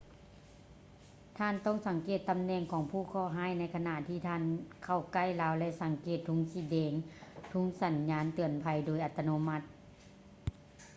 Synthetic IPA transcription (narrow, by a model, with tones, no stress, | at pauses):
t̪ʰaː˧˥˨nt̪ɔː˧˥˨ŋsa˨˦ŋkeː˨˩t̪ːa˧˨mnɛː˧˩ŋkʰɔː˨˦ŋpʰuː˧˩kʰɔː˧˩˨ɦaː˧˥˨jna˧˥˩jkʰa˧na˧˨ʔt̪ʰiː˧˩t̪ʰaː˧˥˨nkʰa˧˩wka˧˩˨jlaː˨˦wlɛ˧˨sa˨˦ŋkeː˨˩t̪ʰːu˧˥˦ŋsiː˧˩dɛː˨˦ŋt̪ʰu˧˦ŋsa˨˦nɲaː˧˥nt̪ɯ˨˧˩ənpʰa˧˦jdoː˧˦jʔa˧˩t̪ʰːa˧noː˧˥ma˧˥t̪̚